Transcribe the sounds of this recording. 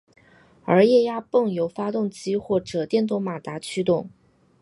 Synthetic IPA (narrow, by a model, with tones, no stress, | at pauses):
ə˞˧˥jɛ˥˧ja˥pɤ˥˩ŋjo˧˥ʊfa˥t̪ʊ˥˩ŋt͡ɕi˥xwɔ˥˩ʈ͡ʂɤ˨˩t̪jɛ˥˧nt̪ʊ˥˩ŋma˨˩t̪a˧˥t͡ɕʰy˥t̪ʊ˥˩ŋ